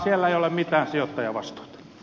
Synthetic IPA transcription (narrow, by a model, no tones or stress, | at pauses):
sielːæeijolemmit̪æːnsiot̪ːɑjɑʋɑst̪o̥it̪ɑ̥